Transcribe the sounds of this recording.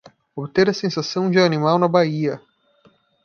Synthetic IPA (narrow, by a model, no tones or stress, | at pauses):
obɪt̪eɾɐsẽsasɐ̃w̃d͡ʒɪanimawnɐbaiɐ